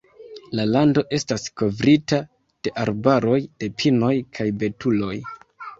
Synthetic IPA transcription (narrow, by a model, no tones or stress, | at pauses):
lalando̞ʔe̞stasko̞vɾita | d̥e̞ʔaɾbaɾo̞jd̥e̞pʰino̞jkʰajbe̞tulo̞j